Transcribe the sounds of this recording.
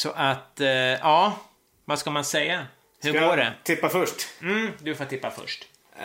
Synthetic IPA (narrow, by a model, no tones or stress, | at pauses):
sɔʔat̪jɑː | vaskamansɛjːa | hɵɾɡoːɖɛt̪ʰɪpːafœʂʈm̩ːd̪ɵfoːt̪ʰːɪpːafœ̰ʂʈ